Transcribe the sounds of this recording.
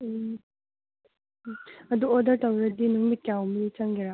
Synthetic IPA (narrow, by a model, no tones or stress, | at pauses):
ɐduodɐɾtɐwɾɐdinuŋmit̚kːjawmɐnit͡ʃɐŋɡeɾa